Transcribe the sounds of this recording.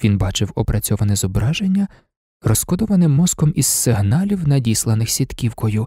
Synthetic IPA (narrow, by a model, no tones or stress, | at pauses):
ʋʲinbɑt͡ʃɪwɔpɾɐt͡sʲɔʋɐnɛzɔbɾɑʒenʲːɐ | rɔsxkɔd̪ɔʋɐnɪmːɔzkɔmizsɪɦnɑlʲiwnɐdʲislˠɐnɪxsʲit̪kʲiwkɔjʊ